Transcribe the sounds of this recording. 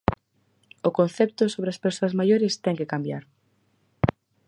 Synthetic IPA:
ʊkon̟θɛp̚t̪ʊsoβɾeɐspeɾsoɐzmajoɾɪst̪ɛŋkekambjaɾ

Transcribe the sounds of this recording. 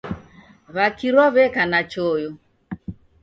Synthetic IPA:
βakiɾwɔβɛkanat͡ʃɔjɔ

